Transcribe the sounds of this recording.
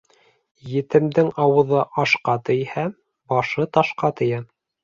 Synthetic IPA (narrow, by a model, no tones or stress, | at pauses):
jɘ̆t̪ɘ̆md̪ɘŋɑwɤ̆ðɤʔɑʃqɑt̪ɘ̆jhæ | bɑʃɤt̪ɑʃqɑt̪ɘ̆jæ